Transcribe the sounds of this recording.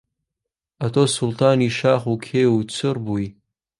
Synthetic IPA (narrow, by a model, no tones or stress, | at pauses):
atʰoːsultʰaːniʃaːχukʲʰeːut͡sʰɨrbuj